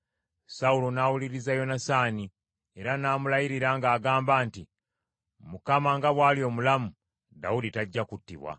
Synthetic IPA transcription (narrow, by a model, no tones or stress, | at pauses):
saulo̞naːwuliɾizajo̞nasaːni | e̞ɾanaːmulajiɾiɾaŋɡaːɡaːmbaːnti | mukamaŋɡaβwaːlio̞ːmulamu | da̰uditaɟːakutːḭβwa̰